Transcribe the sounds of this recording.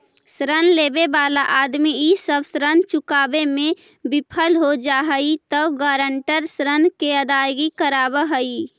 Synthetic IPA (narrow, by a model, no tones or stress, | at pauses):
sɾənlebebalaʔad̪miisəbsɾənt͡ʃʊkaːbemẽ | bɪpʰəlɦod͡ʒaɦəit̪əuɡaɾəɳʈəɾsɾənkeəd̪aːjɡikəɾaːbəɦəi